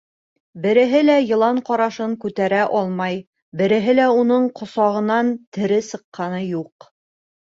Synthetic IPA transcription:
bɘ̆ɾɘ̆ɦɘlæjɤ̆lˠɑɴqɒɾɑʃɤɴkʉt̪æɾæʔɒlˠmɑj | bɘ̆ɾɘ̆ɦɘlæunɤɴqŏsɑʁɤ̆nɑnt̪ɘ̆ɾɘsɤ̆qːɑnɤjuq

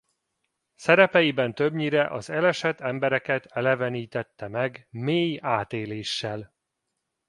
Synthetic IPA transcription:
sɛɾɛpɛjibɛnt̪øbɲiɾɛʔɒzɛlɛʃɛt̪ɛmbɛɾɛkɛt̪ɛlɛvɛniːt̪ɛt̪ːɛmɛɡmeːjaːt̪eːleːʃːɛl

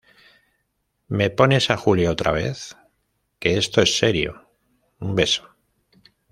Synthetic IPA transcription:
me̞po̞ne̞saxuljaot̪ɾa̰β̞e̞̰θ | ke̞est̪o̞e̞sːe̞ɾjo̞̰ | umbe̞so̥

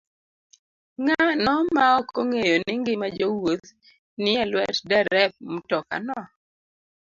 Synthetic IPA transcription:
ŋanɔmaɔkoŋejonɪŋɡɪmad͡ʒowot̪ | nɪɛlwɛtdɛɾɛp̚m̩tɔka̰nɔ

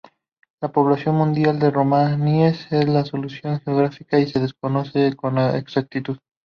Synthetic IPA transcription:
lapo̞βlasjo̞nmũnd̪jald̪e̞romaniese̞zlaso̞lusjo̞ŋxeoɣ̞ɾafikaise̞ðesko̞no̞se̞ko̞naḛksak̚t̪it̪uð

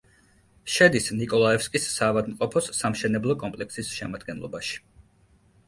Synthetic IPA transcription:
ʃɛd̪isnikʼɔlˠaɛfskʼisːaːvad̪mqʼɔpʰɔsːamʃɛnɛblˠɔkʼɔmpʼlɛksisʃɛmad̪ɡɛnlˠɔ̰baʃi̥

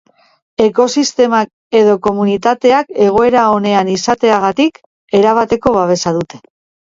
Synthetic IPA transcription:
e̞ko̞sist̪e̞mak | e̞ðo̞ko̞munit̪at̪e̞ake̞ɣ̞o̞e̞ɾao̞ne̞anisat̪e̞aɣ̞at̪ik | e̞ɾaβ̞at̪e̞ko̞β̞aβe̞saðut̪e̞̥

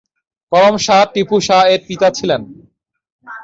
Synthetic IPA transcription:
kɔɾomʃaʈipuʃaeɾpit̪at͡ɕʰilen

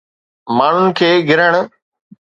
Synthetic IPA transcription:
maːɳ̤ʊnɪ̆kʰeːɡʱɪɾəɽ̃ʊ̆

